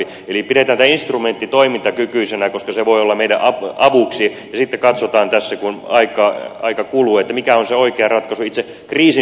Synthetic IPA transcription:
i | elipiɾet̪æːnt̪æinst̪rument̪ːit̪oimint̪ɑkykyisenækoskɑseʋoiolːɑmeidæʔɑɑʋuksi | jɑsit̪ːekɑt̪sot̪ɑːnt̪æsːækunɑikˑɑɑ̰ikɑkuluːet̪ːæmikæonseoikeɑrɑt̪kɑsuit̪se | kriːsi

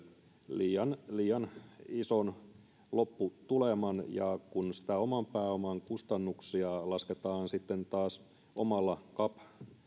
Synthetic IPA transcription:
liːjɑnliːjɑnison | lopːut̪ulemɑnjɑ̰kunsi̥t̪æomɑmpæːomɑŋkust̪ɑnːuksiɑlɑsket̪ɑːnsit̪ːent̪ɑːs | omɑlːɑkɑp

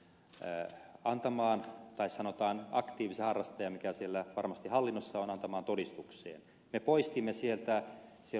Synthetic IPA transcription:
ɑnt̪ɑmɑːnt̪ɑissɑnot̪ɑːnɑkt̪iːʋisehɑrːɑst̪ɑjɑmikæsielːæʋɑrmɑst̪ihɑlːinːosːɑonɑnt̪ɑmɑːnt̪odist̪uksḛːn | mepoist̪imːesielt̪æ | sie

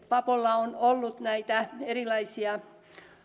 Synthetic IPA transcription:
pɑpolːɑonolːut̪næit̪æerilɑisiɑ

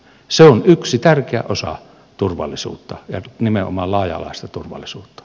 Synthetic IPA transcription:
seonyksit̪ærkeæ̰ʔosɑ̰ | t̪urʋɑ̰lːˑisṵːt̪ːɑjɑnimeʔo̰mɑllɑˑːjɑ̰lɑ̰ˑest̪ɑt̪urʋɑ̰lːˑisuːt̪ːɑ̥

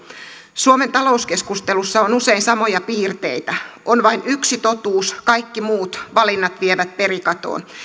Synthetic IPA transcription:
suoment̪ɑlo̞uske̞skust̪elusːɑonuseinsɑmo̞jɑpiːrt̪eijt̪æonʋɑinyksit̪o̞t̪uːskɑikːimuːt̪ʋɑlinːɑt̪ʋieʋæt̪̚pe̞ɾikɑt̪o̰ːn

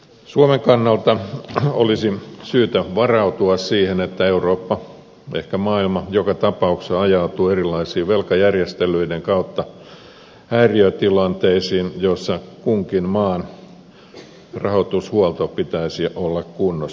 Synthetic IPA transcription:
suomeŋkɑnːɑlt̪ɑolisisyːt̪æʋɑrɑut̪uɑssiːhenet̪ːæeuroːpːɑ | ʔḛhkæmɑːilmɑjokɑt̪ɑpɑukseɑjɑut̪uːerilːˑɑisiːʋelkɑjærjest̪elˑyideŋkɑut̪ːɑ | hæiriøt̪ilɑnt̪eisiːnjosːɑkuŋkinmɑːn | rɑhot̪ushuɑlt̪opit̪æisiʔolːɑkkunːo

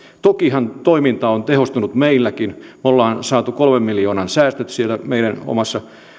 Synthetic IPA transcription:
t̪okihɑnt̪oimint̪ɑont̪ehost̪unut̪meilːækinmolːɑːnsɑːt̪ukolmemmiljoːnɑnsæːst̪øt̪sielːæmeiɾæno̰mɑsːɑ

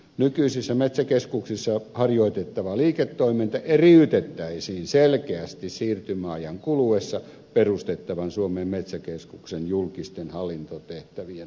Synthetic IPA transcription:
nykyisisːæmet̪sækeskuksisːɑhɑrjoit̪et̪ːɑʋɑliːket̪ːoimint̪ɑʔeriyt̪et̪ːæisiːnselkeæst̪issiːrt̪ymæɑjɑŋkuluesːɑ | perust̪et̪ːɑʋɑnsuomeːmmet̪sækeskuksenjulkist̪enhɑlːint̪ot̪eht̪æʋien

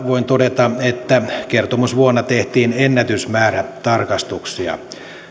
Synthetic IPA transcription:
ʋoint̪odet̪ɑet̪ːækert̪omusʋuonːɑt̪eht̪iːnenːæt̪ysmæːræt̪ɑrkɑst̪uksiɑ̰

